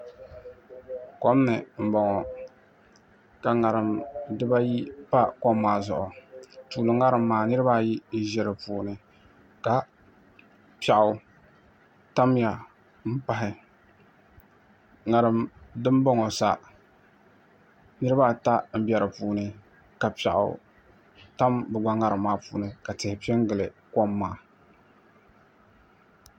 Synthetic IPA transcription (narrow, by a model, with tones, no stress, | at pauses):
ko˦m˦nɨ˨m̩˨bɔ˨ŋɔ˨ | ka˨ŋa˨ɾɨ˨mdɨ˦ba˦ji˦pa˦kɔ˦mːaː˨zʊ̰˨ʔʊ˨tuː˨lɨ˨ŋa˦ɾɨ˨mːaː˨nɨ˦ɾɨ˦baː˦˨ji˦n̩˦ʒɛ˨ɾɨ˨puː˨nɨ˦ | ka˨ | pa˨ʔʊ˦ | ta˦m˦ja˨ | m̩˦pa˦ɦɪ˦ | ŋa˨ɾɨ˦mdɨ˦mbɔ˦ŋo˨sa˨ | nɨ˦ɾɨ˦baː˦˨ta˦m̩˦bʲɛ˨ɾɨ˨puː˨˦nɨ˦ | ka˨pa̰˨ʔʊ̰˨ | ta˦mbɨ˨ɡ͡ba˦ŋa˦ɾɨ˨mːaː˦puː˨nɨ˨ka˨tɛ˨hɪ˨pi˦ɛ˦ŋɡɨ˨lɨ˨kɔ˦mːaː˦˨